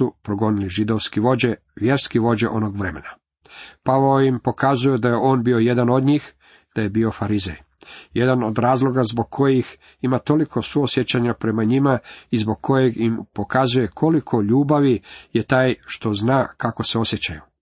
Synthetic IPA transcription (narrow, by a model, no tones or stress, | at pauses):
upɾoɡo̞niliʒid̪o̞ʋskiʋo̞d͡ʑe | ʋje̞ɾskiʋo̞d͡ʑḛʔo̞noɡʋɾe̞me̞̰na | paʋooimpo̞kazujed̪aje̞ʔo̞ːnbio̞je̞d̪ano̞d̪ɲiːx | d̪̥aje̞bio̞faɾizej | je̞d̪ano̞d̪ɾaːzlˠo̞ɡazboɡ̚kʰo̞jix | imat̪o̞likʰo̞suosjet͡ɕaɲapɾe̞maɲimaizbo̞ɡ̚kʰo̞jeɡimpo̞kazuje̞kʰo̞likʰo̞ʎuːbaʋije̞t̪aːjʃt̪o̞znaːkako̞seo̞sjet͡ɕaju